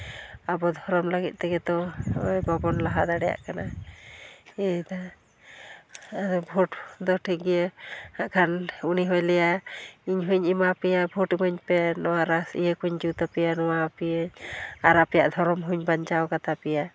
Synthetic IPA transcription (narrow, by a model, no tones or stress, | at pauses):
abɔd̪ʱɔɾɔmlaɡit̪̚ˀt̪ɛɡɛd̪ɔɔjbabɔnlaɦad̪aɽɛja̰ʔkana | ɛd̪a | ad̪ɔbʱɔʈd̪ɔʈʰiɡijehaʔkʰanuniɦɔjlɛjaiɲɦuɲimapɛjabʱɔʈimɔɲpɛnɔwaɾasḭjəkuɲd͡ʒut̪apɛjanɔwapieɲaɾapɛja̰ʔd̪ʱɔɾɔmɦuɲbaɲt͡ʃawkat̪apɛja